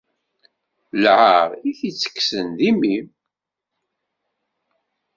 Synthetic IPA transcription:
lʕaəʁiθit͡sːə̥kːsənd̪imim

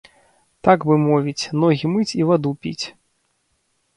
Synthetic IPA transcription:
t̪aɡvɨmɔvʲit͡sʲnɔɣʲimɨt͡sʲivad̪upʲḭt͡sʲ

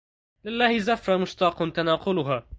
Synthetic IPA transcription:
lɪlːaːhɪzafɾˤamʊʃt̪ɑːqʊnt̪anɑːqʊlʊɦaː

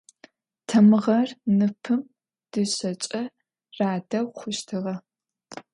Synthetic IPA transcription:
tʰɐmɨʁɐrnɨpʰɨm | d̥ɨɕɐt͡ʃʼɐ | raːdɐwχʷʊʃtʰɨʁɐ

